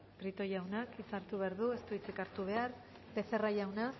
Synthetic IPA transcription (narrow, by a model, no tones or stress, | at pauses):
pɾit̪o̞jawnakisaɾt̪uβe̞aɾðue̞st̪uit͡sikaɾt̪uβ̞e̞aɾ | be̞se̞rajawna